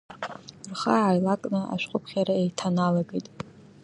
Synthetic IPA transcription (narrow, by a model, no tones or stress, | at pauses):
rχaʕajlakʼnɨa̰ʃʷᶣqʷʼʊpʰχʲaɾaejtʰanalaɡejtʼ